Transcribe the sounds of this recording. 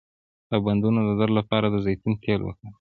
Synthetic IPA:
laband̪unod̪əd̪aɾlapɑɾad̪əzejt̪unt̪ʰelwə̰kə

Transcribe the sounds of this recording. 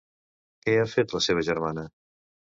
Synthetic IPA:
kɛafet̪ləseβ̞əʒəɾmanə

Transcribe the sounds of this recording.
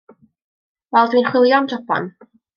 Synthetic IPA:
vɛlˠdwiːnχwɪlˠjɔmdɔpʰɔ̰n

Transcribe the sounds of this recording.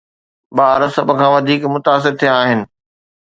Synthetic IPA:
baːɾəsɐbkʰãːʋɐd̪ʱiːkmʊt̪aːs̬ɪɾt̪ʰijãaːɦɪnɪ̆

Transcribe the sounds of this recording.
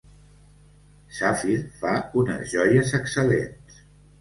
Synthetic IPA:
safiɾfaunə̰zʒɔjəzəksəlḛns

